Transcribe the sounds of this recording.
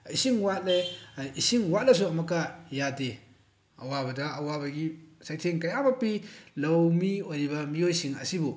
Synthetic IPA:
isiŋwat̚leisiŋwat̚lɐs̬uɐmɐkːajade | ʔɐwabɐdɐʔɐwabɐɡisajtʰeŋkɐjabɐpilɐwmiojɾibɐmiojsiŋɐ̰sibu

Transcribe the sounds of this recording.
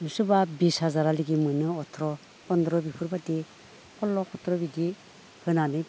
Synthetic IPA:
ɯsubabisazaɾaliɡimɯnɯɔtʰɾɔ | pɔndɾɔbipʰɯɾbadi | kʰɔlːɔkʰɔtʰɾɔbidi | hɯnanɯ

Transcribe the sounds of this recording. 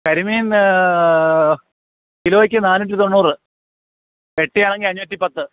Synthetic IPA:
kɐɾimiːn | kiloːik̬ʲːɨnaːnːuʈ̬ːit̪onːuːrɨ | ʋeʈːijaːɳe̞ŋɡilɐɲːumɐt̪ːipɐt̪ːɨ

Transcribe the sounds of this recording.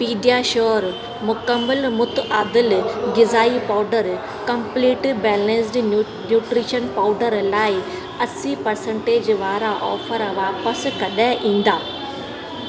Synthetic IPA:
piːɖijaːʃoːɾ | mʊkəmːəlmʊt̪aːd̪ɪlɡɪzaːipaːɖəɾ | kɐmpliːʈbɛːlẽns̬ɖ | njuːʈɾiːʃənpaːʊɖəɾlaːi | ɐsipɐɾsə̃ɳʈeːd͡ʑʋaːɾaʔɔːfʰəɾʋaːpəskɐɗɛʔĩːn̆d̪aː

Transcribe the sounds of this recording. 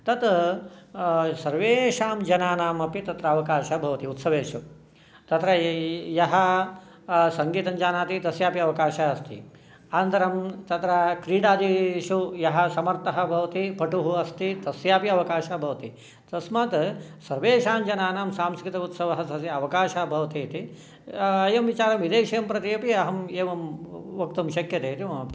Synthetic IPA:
t̪ɐt̪ | sɐɾʋeːʃaːmd͡ʒɐnaːnaːmɐpit̪ɐt̪ɾɐɐʋɐkaːʃɐbʱɐʋɐt̪iut̪sɐʋeːʃu | t̪ɐt̪ɾɐjɐɦɐ | sɐŋɡiːt̪ɐnd͡ʒaːnaːt̪it̪ɐsjaːpiɐʋɐkaːʃaɐst̪ʰḭ | ant̪ɐɾɐmt̪ɐt̪ɾɐkɾiːɽaːd̪iʃujɐɦɐ̆sɐmɐɾt̪ɐɦɐ̆bʱɐʋɐt̪ipɐʈuɦuɐst̪it̪ɐsjaːpiɐʋɐkaːʃaːbʱɐʋɐt̪i | t̪ɐsmaːt̪sɐɾʋeːʃaːnd͡ʒɐnaːnaːmsaːmskɾɪt̪ɐut̪sɐʋɐɦɐsʰɐsiɐʋɐkaːʃaːbʱɐʋɐt̪iːt̪i | ɐjɐmʋit͡ʃaːɾɐmʋid̪eːʃɐjɐmpɾɐt̪ijɐpiɐɦɐmeːʋɐmʋɐk̚t̪ɐmʃɐkjɐt̪eːt̪i

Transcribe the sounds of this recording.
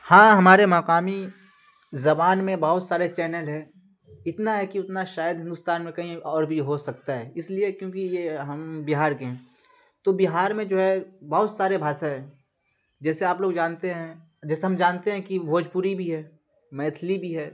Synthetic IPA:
hãːɦɐmaːɾemɐkaːmi | zɐbaːnmẽbɐɦʊt̪saːɾet͡ʃɛːnəlɦɛː | ɪt̪naɦɛkiʊt̪naʃaːjəd̪ɦɪ̃nd̪ʊst̪aːnmẽkɐɦĩɔːɾbʱiɦosɐk̚t̪aɦɛɪsliekjõːkijeɦɐmbiɦaːɾkeɦɛ̃ː | t̪obiɦaːɾmẽd͡ʒoːɦɛbɐɦʊt̪saːɾebʱaːsaɦɛ̃ | d͡ʒɛːseaːploːɡd͡ʒaːnt̪eɦɛ̃ | d͡ʒɛːseɦɐmd͡ʒaːnt̪eɦɛ̃kibʱoːd͡ʒpuɾibʱiɦɛː | mɛ̃ːt̪ʰlibʱiɦɛː

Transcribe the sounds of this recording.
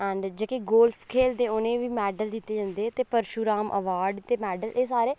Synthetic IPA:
ɛ̃ːɳɖd͡ʒeːkeɡoːlpʰkʰeːld̪eːʊnẽːʋiːmɛːɖəld̪ɪt̪ːeːd͡ʒãːnd̪eːɛːt̪eːpəɾʃuːɾaːmʔə̰ʋaːɾɖt̪eːmɛːɖəleːsaːɾeː

